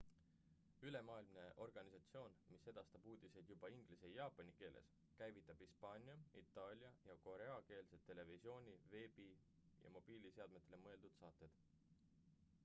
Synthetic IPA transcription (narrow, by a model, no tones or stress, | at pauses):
yle̞mɑːilmne̞ʔo̞rɡ̥ɑnisɑt̪sio̞ːnmise̞d̪̥ɑst̪ɑb̥uːd̪ise̞d̪̥jub̥ɑiŋɡ̥lise̞jɑːpːˑonike̞ːlʔe̞̰s | kæjvit̪ːˑɑb̥hispɑːnʲiɑit̪ːˑɑːlʲjɑjɑko̞ɾe̞ɑke̞ːlse̞t̪ːe̞le̞visio̞ːnʲive̞ːbi | jɑ̰mo̞b̥iːlise̞ɑd̪̥met̪ːˑelemɤe̞ld̪ud̪̥sɑːt̪ːˑe̞d̪̥